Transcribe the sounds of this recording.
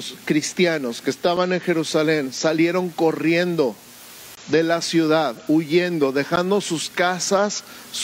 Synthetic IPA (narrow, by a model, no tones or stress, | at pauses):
skɾist̪jano̞ske̞ːst̪aβane̞ŋxe̞ɾusale̞nsalje̞ɾo̞ŋko̞rje̞nd̪o̞ | ðe̞lasjuðaðuʝend̪o̞ðe̞xand̪o̞suskasasː